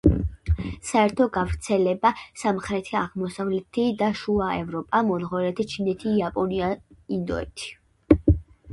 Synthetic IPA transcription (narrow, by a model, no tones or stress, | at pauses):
saɛɾt̪ʰɔɡavɾt̪sʰɛlɛbasamχɾɛt̪ʰiaʁmɔsavlɛt̪ʰid̪aʃuaɛvɾɔpʼamɔnʁɔɾɛt̪ʰit͡ʃʰinɛt̪ʰiːapʼɔniaind̪ɔ̰ɛ̰t̪ʰi̥